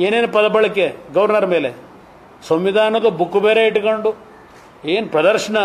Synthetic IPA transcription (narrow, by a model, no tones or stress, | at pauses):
eːneːnpɐd̪ɐpɐɭɐkːeɡɐʋɐɾnɐɾɐme̞ːle | sɐmʋid̪ʱaːnɐd̪ubukːubeːɾeiʈːkoɳɖu | eːnupɾɐd̪ɐɾʂɐɳɐ